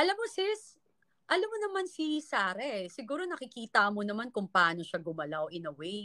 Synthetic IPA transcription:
ʔɐlamːosɪs | ʔɐlamːonɐmansisaːɾɛʔsɪɡuːɾo̞nɐkɪkiːt̪ɐmonɐmankʊŋpɐʔaːno̞ʃaɡʊmɐlaoʔɪnɐwɛj

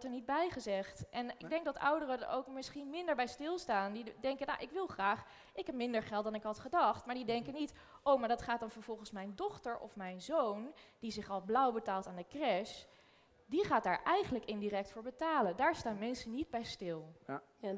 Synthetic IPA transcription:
təɹnid̚bɛjχəzɛχtʔɛnɪɡ̚dɛŋk̚dɑtʌ̰wdərədə̰owkmɪsχinmɪndəɹbɛjstɪlˠstaːndidɛŋkəna̰wʔɪkʋɪlˠχraːχ | ɪkɦɛp̚mɪndəɹχɛlˠt̚dɑnɪkɦɑtχədɑχtmaːɹdidɛŋkənit | ʔowmaːɹdɑtχaːt̚dɑnvəɹv̥ɔlˠχənsmɛjndɔχtəɹɔ̰fmɛjnzownd̥izɪχɑlˠblʌwbətaːlˠtaːndəkrɛʃ | diχaːt̚daːɹʔɛjχənləkɪndirɛk̚tfʊːɹbətaːləndaːɹstaːnmɛnsənid̚bɛjstɪlˠ

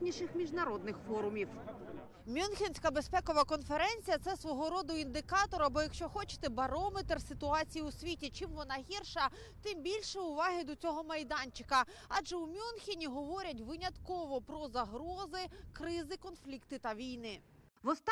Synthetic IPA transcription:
nʲiʃɪxmʲiʒnɐɾɔd̪̚nɪxfɔɾʊmʲiw | mʲunxʲinʲsʲkɐbespɛkɔʋɐkɔnfeɾɛnʲt͡sʲijɐt̪sɛsʋɔɦɔɾɔd̪ʊind̪ɪkɑt̪ɔɾɐbɔjɐkʃt͡ʃɔxɔt͡ʃɪ̥t̪ɛbɐɾɔmet̪rsɪt̪ʊɑt͡sʲijiʊsʲʋʲitʲit͡ʃɪmʋɔnɑɦʲirʃɐ | t̪ɪmbʲilʲʃɛʊʋɑɦɪd̪ɔt͡sʲɔɦɔmɐjd̪ɑnʲt͡ʃɪ̥kɐ | ɑʒɛʊmʲunxʲinʲiɦɔʋɔɾʲɐt̬ʲʋɪnʲɐt̪kɔʋɔpɾɔzɐɦɾɔzɪkɾɪzɪkɔnflʲikt̪ɪt̪ɐʋʲijnɪ | ʋɔst̪

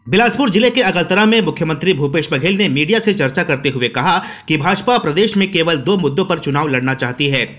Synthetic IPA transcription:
bɪlaːd͡ʒpʊɾd͡ʒɪlekeɐɡəlt̪ɐɾaɦmẽmʊkʰjəmə̃nt̪ɾibʱuːpeːʃbɐɡʱeːlnemiːɖijaset͡ʃɐɾt͡ʃakɐɾt̪eɦʊekɐɦa | kibʱaːd͡ʒpapɾɐd̪eːʃmẽkeːʋəld̪oːmʊd̪ːõpɐɾt͡ʃʊnaːʋlɐɽnat͡ʃaːɦt̪iɦɛː

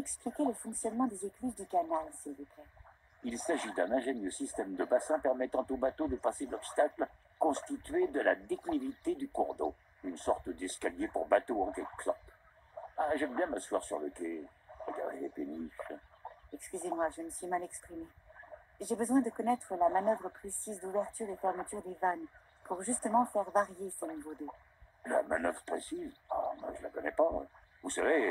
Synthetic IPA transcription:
ɛksplikʲeləfɔ̃ksjɔnmɑ̃d̪ezekliʒd̪ykanalsilvuplɛ | ilsaʒid̪ɛ̃nɛ̃ʒɛnjəsist̪ɛmd̪əbasɛ̃pɛʁmɛt̪ɑ̃t̪obat̪od̪əpaselɔpst̪akl | kɔ̃st̪it̪ɥed̪əlad̪eklivit̪ed̪ykɔʁd̪o̰ | ynsɔʁt̪əd̪ɛskaljepṵʁbat̪oɑ̃kɛkklɔ̃p | aʒɛmbjɛ̃məswa̰ʁsy̰ʁlə̰kʲeəɡa̰dʁeepeniblɛkskʲyzemwaʒənəsɥimalɛkspχime | ʒebəzwɛ̃d̪əkɔnɛt̪χəlamanœvʁəpχesizd̪uvɛʁt̪yʁefɛʁmət̪yʁd̪evan | puʁʒyst̪əmɑ̃fɛʁvaʁjesənuvod̪ø | la̰ma̰nœ̰vʁəpχesiza̰ma̰ʒəlakɔnɛpa̰ | vusave

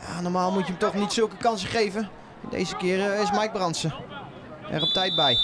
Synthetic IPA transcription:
ja̰ːnɔrmaːlˠmutjəmtɔχnitsølˠkəkɑnsəχejvə | ɛndḛjzəkɪərɪsmajk̚brɑnsə | ɛ̰rɔp̚tɛjt̚bɛj

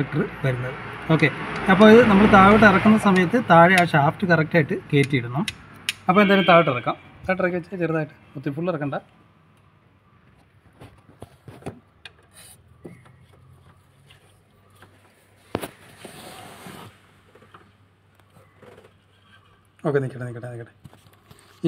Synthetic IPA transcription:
ɐk̚ʈɐrɨʋɐɾunːɐðɨo̞ːkːe̞ɐpːoːɭiðɨnɐmːɐɭt̪aːʋiʈ̬ːɨirɐkːunːɐsɐmɐjɐt̪ːɨt̪aːɻaːɕaːftɨkɐrɐk̚ʈaːjiʈːɨke̞ːtːijiɽunːu | ɐpːoend̪aːlumt̪aːʋiʈːirɐkːaːm | t̪aːɻʈːirɐkːɐt͡ɕːat͡ɕeɾðaːjiʈːɨ̥mut̪ːifuɭːirɐkːɐɳɖaː | o̞ːkːenikʲːɐʈenikʲːɐʈːenikʲːɐʈe

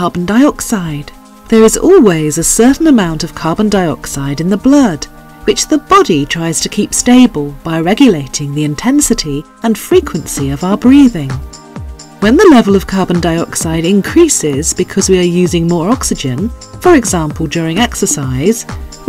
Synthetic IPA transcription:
ɑɹbn̩daɪɑksaɪd̪̚ | ðə˞ɨzɔ̰lˠwizɨsɜ˞ʔn̩ɨmãʊ̃ntʌv̥kʰɑɹbə̃ndaɪɑ̰ksaɪɾɨ̃nðəblʌd | wɨt͡ʃðəbɑɾitʰɹ̥aɪz̥tʰɨkʰipsteɪbəlˠb̥aɪɹɛɡjɨleɪɾɪ̃ŋðiɨ̃ntʰɛ̃nsɨɾi | ɨ̃nfɹikʰwɨ̃nsiʌvaʊə˞bɹiðɪ̃ŋ | wɨ̃nðɨlɛvl̩ˠʌv̥kʰɑɹb̃n̩daɪɑksaɪɾɪ̃nkʰɹ̥isɪzbɨkʰʌzwiə˞jʉzɪ̃ŋmɔɹɑksɨd͡ʒɨ̃nfə˞ɨɡzæ̃mpʰl̩ˠdjʊɹɪ̃ŋɛksə˞saɪz̥

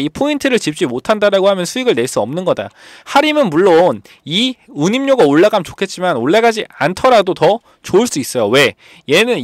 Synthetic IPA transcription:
ipʰointʰɯɾɯɭt͡ɕip̚t͡ɕ͈imotʰandaɾaɡohamjʌnsʰuiɡɯɭne̞ɭs͈uʌmnɯnɡʌda̰ | haɾimɯnmuɭːon | iɯɲimɲoɡaoɭːaɡamt͡ɕokʰe̞t̚t͡ɕ͈imanoɭːaɡad͡ʑiantʰʌɾadotʌ | t͡ɕoɯɭs͈uis͈ʌjowe̞ | je̞nɯn

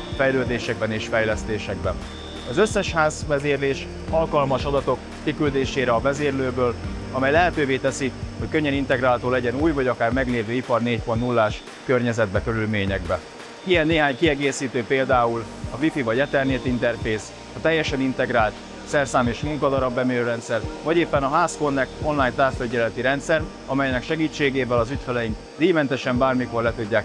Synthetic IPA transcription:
fɛjløːd̪eːʃɛɡ̚bɛneːʃfɛjlɛst̪eːʃɛɡ̚bɛn | ɒzøsːɛʃhaːzvɛzeːrleːʃ | ɒlkɒlmɒʃɒd̪ɒt̪o̞kːikyld̪eːʃeːɾɛɒvɛzeːrløːbøːlɒmɛjlɛɦɛt̪øːveːt̪ɛsihockøɲːɛnint̪ɛɡraːlt̪oːlɛɟɛnuːjvɒɟɒkaːrmɛɡleːvøːipɒrneːcfornulːaːʃ | kø̞rɲɛzɛd̪̚bɛkø̞ɾylmeːɲɛɡ̚bɛ | ijɛnːeːɦaːɲkiɛɡeːsiːt̪øːpeːld̪aːul | ɒvifivɒɟɛt̪ɛrneːt̪int̪ɛrfeːs | ɒt̪ɛjːɛʃɛnint̪ɛɡɾaːlt̪ | sɛrsaːmeːʃmuŋkɒd̪ɒɾɒbːɛmiøːɾɛnt̪sɛrvɒɟeːpːɛnɒɦaːsko̞nːɛkt̪o̞nlaːjnt̪aːsføɟɛlɛt̪iɾɛnt̪sɛr | ɒmɛjnɛkʃɛɡiːt͡ʃːeːɡeːvɛlɒzyt̪fɛlɛjiŋk | d̪iːmɛnt̪ɛʃɛmbaːrmiko̞rlɛt̪uɟːaːk

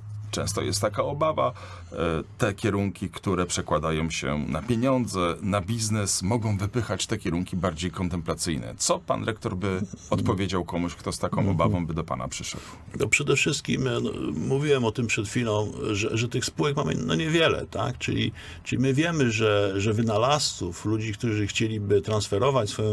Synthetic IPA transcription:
t͡ʂɛ̰̃w̃st̪ɔ̰jɛst̪t̪ːakaɔbava | t̪ɛkʲjɛɾuŋkʲikt̪uɾɛpʂɛkwad̪ajɔ̃w̃ɕɛ̰na̰pʲjeɲɔnd̪zɛnabʲiznɛsmɔɡɔ̃w̃vɘpɘxat͡ɕt̪ɛkʲɛɾuŋkʲibaɾd͡ʑejkɔnt̪ɛmplat̪sɘjnɛ̰t̪sɔpa̰nɾɛkt̪ɔɾbɘɔt̪pɔvʲjed͡ʑawkɔmuɕkt̪ɔst̪akɔ̃w̃ʔɔbavɔ̃w̃bɘd̪ɔpa̰na̰pʂɘʂɛ̰d̪wnɔpʂɛd̪ɛfʂɘst̪̚kʲḭm̰muvʲiwɛmɔt̪ɘmpʂɛt̪fʲilɔ̃w̃ʐɛʐɛt̪ɘxspuwɛkmamɘ̰nɔ̰ɲɛvʲjɛlɛ̰t̪a̰kt͡ʂɘ̰lʲḭ | t͡ʂɘlʲimɘvʲjɛmɘʐɛʐɛvɘnalasuflud͡ʑikt̪uʐɘxt͡ɕelʲibɘt̪ɾansfɛɾɔvat͡ɕsfɔjɔ̃

